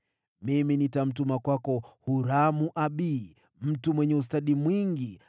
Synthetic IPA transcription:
miminitam̩tumakwakɔhuɾamuʔaɓi | m̩tumwɛɲɛus̬taɗimwiŋɡi

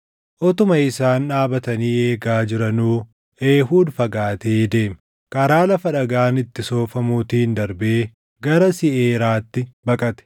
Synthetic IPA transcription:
ʔɔt̪ʊmɐɪsaːnᶑaːbɐt̪ɐniːe̞ːɡaːd͡ʒɪɾɐnuː | ʔeːɦuːd̪fɐɡaːt̪eːd̪e̞ːmɛ | kɐɾaːlɐfɐᶑɐɡaːnɪt̪ːɪso̞ːfɐmuːt̪iːnd̪ɐɾbeː | ɡɐɾɐsɪʔeːɾaːt̪ːɪbɐkʼɐt̪ɛ̥

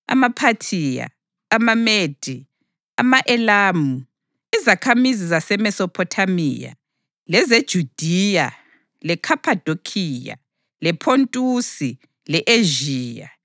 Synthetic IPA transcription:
a̰mapʰatʰiːja̰ː | mameːd̥ʱi | a̰maʔɛlaːmu | izakʰamizizasɛmɛsɔpʰɔtʰamḭːja̰ | lɛzed̥ʒ̥ʱud̥ʱija | lɛkʰapʰʼad̥ʱokʰiːja̰ | lɛpʰontʼusi | lɛʔeʒiːja̰

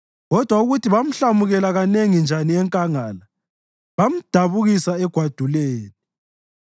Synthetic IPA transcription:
ɣɔd̥ʱwauɣutʰiβam̩ɬamuɣɛlaɣaneŋind͡ʒʱaniɛŋkʼaŋala | βam̩d̥ʱaβuɣisaɛɡ̥ʱwad̥ʱuleːni

